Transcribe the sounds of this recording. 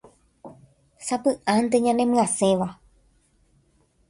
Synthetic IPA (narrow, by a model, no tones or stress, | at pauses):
sapɨʔãnt̪eɲãnẽmɨ̃ãsẽ̞ʋa